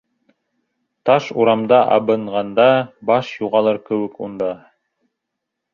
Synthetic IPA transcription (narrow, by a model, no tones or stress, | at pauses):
t̪ɑʃuɾɑmd̪ɑʔɑ̰βɤ̆ɴʁɑnd̪ɑbɑʃjuʁɑlˠɤɾkɘ̆wɘ̆kund̪ɑ